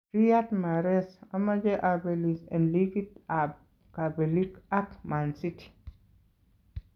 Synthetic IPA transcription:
ɾiatmaɾɛsamad͡ʒeʔabelisɛ̰̃nlikita | kabelikakmansiti̥

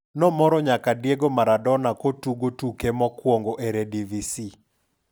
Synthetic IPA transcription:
nɔmɔɾɔɲakadjeɡomaɾadɔnakotuɡotukemɔkwoŋɡoʔeɾɛdivisi

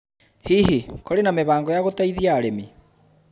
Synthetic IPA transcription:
hiːɦikʰoɾenameβaːŋɡɔjaɣotaiðiaːɾemi

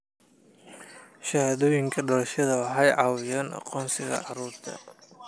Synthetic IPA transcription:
ʃɐhɐd̪ɔjɪŋkʰɐɖɔlɐʃɐðɐwɑħɑjʕɑwɪjɐnʔɐ̰qɔːnsɪɣɐ̰ʕɑɾuːɾt̪ʰɐ̰

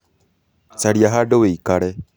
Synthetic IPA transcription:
saɾiaɦaɖoweikaɾe

